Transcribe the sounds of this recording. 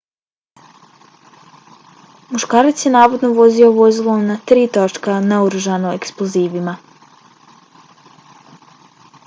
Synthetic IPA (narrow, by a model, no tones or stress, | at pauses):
muʃkaːɾat̪sjenaːʋo̞d̪no̞ʋo̞zioʋo̞zilˠonat̪ɾiːt̪ot͡ʃkanauɾuʒanoeksplˠoziːʋima